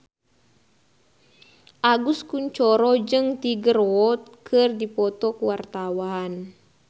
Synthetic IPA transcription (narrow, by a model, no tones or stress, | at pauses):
ʔaɡuskuɲt͡ʃɔɾɔd͡ʒɨŋt̪iɡəɾɔt̪̚kʰɨrdipɔt̪ɔkuwart̪awan